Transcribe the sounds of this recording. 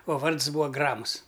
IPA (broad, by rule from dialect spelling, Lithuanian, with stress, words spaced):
oː ˈʋɐrts ˈbuːɐ ˈɡrɑːmʊs